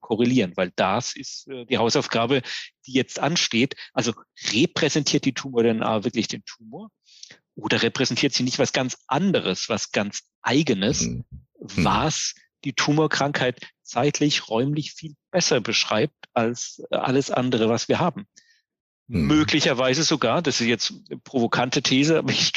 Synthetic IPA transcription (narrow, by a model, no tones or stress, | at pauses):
kʰɔʁeliːʁənvaɪld̥asɪstʔɛːd̥iːhaʊsaʊfɡ̥aːbəd̥iːjɛt͡stʔanʃteːtʔalzoʁepʁ̥ɛzɛntʰiːɐt̚d̥iːtʰuːmoːɐdɛnʔa̰ːvɪɐklɪçd̥eːntʰuːmoːɐ | ʔoːdɐʁepʁ̥ɛzɛntʰiːɐtz̥iːnɪçtv̥asɡ̥ant͡sʔandəʁəsv̥asɡ̥ant͡s | ʔaɪɡənəs | vas | d̥iːtʰuːmoːɐkʁ̥aŋkhaɪtt͡saɪtʰlɪçʁɔʏmlɪçfiːlb̥ɛsɐbəʃʁ̥a̰ɪp̚talsʔa̰ləsʔa̰ndəʁ̞əvasv̥iːɐhaːbm̩ | møːklɪçɐvaɪzəzoɡaːɐd̥asɪntjɛt͡stpʁ̥ovokʰantətʰeːzəaːbɐɪç